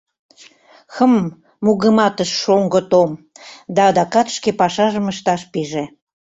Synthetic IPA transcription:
xəmː | uɣəmɑt̪əʃːoŋɡə̆t̪om | d̪ɑːd̪ɑkɑt̪ʃkepɑʃɑʒəməʃt̪ɑʃpiʒe

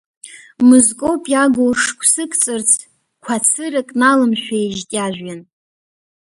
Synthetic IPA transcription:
mɨzkʼopʼjaɡoʂkʷʰsɨkʰʼt͡sʼɨrt͡sʰ | kʷʰat͡sʰɨrakʼnalɨmʃᶣajʒtʲʼaʒᶣʷan

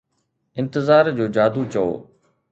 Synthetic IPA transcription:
ɪ̃nt̪ɪzaːɾd͡ʑoːd͡ʑaːd̪ut͡ɕɐo̰ː

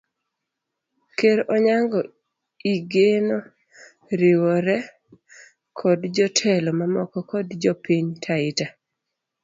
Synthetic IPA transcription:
keɾʔɔɲaŋɡɔ | iɡeno | ɾiwɔɾɛ | kʰɔdd͡ʒɔtʰɛlɔmamɔkɔkɔdd͡ʒɔpiɲtʰaɪta

